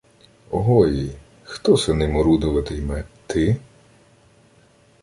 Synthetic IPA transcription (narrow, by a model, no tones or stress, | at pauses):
ɔɦɔji | xt̪ɔsɐnɪmɔɾud̪ɔʋɐt̪ɪjmɛt̪ɪ